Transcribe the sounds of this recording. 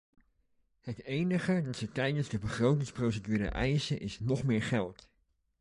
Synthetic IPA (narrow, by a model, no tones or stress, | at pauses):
ɦətejnəχədɑtsətɛjdənzdəbəχrowtɪŋsprowsədyːɾə̰ʔɛjsəʔɪsnɔχmɪːɹχɛlˠt